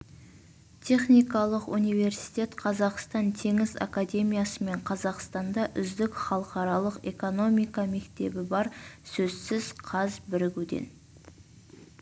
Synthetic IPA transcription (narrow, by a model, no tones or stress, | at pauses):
t̪ʲʰe̞χnijkɑlˠəqunijve̞ɾsi̥jt̪ʲe̞t̪qʰɑzɑqst̪ɑnt̪ʰe̞ŋɪza̰kad̪ʲe̞mijasəme̞ɴqʰɑzɑqst̪ɑnd̪ɑʔʏzd̪ɪkχɑlˠəqɑɾɑlˠəqe̞ko̞no̞mijkɑme̞kt̪e̞̰bɪbɑɾsɵzsɪz̥qʰɑzbɪɾɪɡʲud̪ḛn